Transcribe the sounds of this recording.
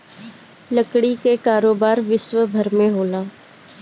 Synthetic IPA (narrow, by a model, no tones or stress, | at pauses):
ləkɽikekaːɾoːbaːɾʋɪʃwəbʱɐɾmẽɦoːlaː